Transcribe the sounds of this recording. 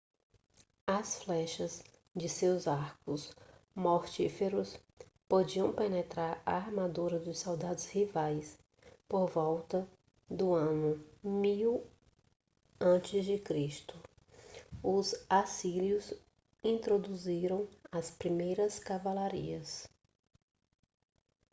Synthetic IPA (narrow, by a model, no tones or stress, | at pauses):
ɐsflɛʃɐz | d͡ʒɪsewzaɾkʊsmoɾt͡ʃifeɾʊs | pod͡ʒiɐ̃w̃penet̪ɾaɾa̰aɾmad̪uɾɐd̪ʊssawd̪ad̪ʊshivajs | poɾvɔwt̪ɐ | d̪ʊɐ̃nʊmiw | ɐ̃t͡ʃɪzd͡ʒɪkɾiʃt̪ʊ | ʊzasiljʊz | ĩnt̪ɾod̪uziɾɐ̃w̃ɐspɾimejɾɐskavalaɾḭɐs